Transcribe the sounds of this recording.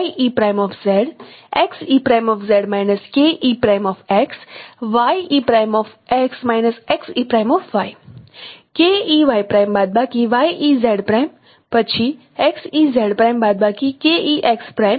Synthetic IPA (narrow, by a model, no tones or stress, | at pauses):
iʔipɾaːjmɔːfʰzɛɽeksiːpɾajmɔːfzeɽmaːjnəskeʔiːpɾajmɔfeksʋajiːpɾaːjmɔːfeksmaːjnəseksiːpɾaːjmɔːfʰʋaj | keiʋaːjpɾaːjmbaːd̪̚bakiʋaːjizeɽpɾaːm | pɐt͡ʃʰi | eksizɛɽpɾajmbaːd̪̚bakikeiʔekspɾajm